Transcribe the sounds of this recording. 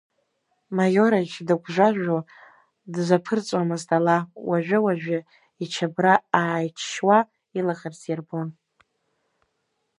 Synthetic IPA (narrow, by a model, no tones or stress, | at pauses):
majo̞ɾajt͡ʃʰdɨɡʷʰʼʒʷaʒʷᶣo | dzʷapʰɨrt͡sʷʼwamɨztʰʼalawaʒᶣʷʊwaʒᶣʷa | it͡ʃʰabraːjt͡ʃʰʃwa | ilaχarsarbon